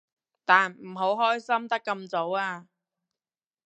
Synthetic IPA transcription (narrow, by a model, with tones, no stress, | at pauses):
t̪aː˨nm̩˨˩ɦo˨˥wɦɔː˥jsɐ˥mt̪ɐ˥kːɐ˧mt͡so˨˧˥waː˧